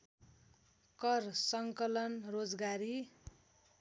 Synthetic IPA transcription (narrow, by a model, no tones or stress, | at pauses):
kʌrsʌŋkʌlʌnrod͡zɡaɾi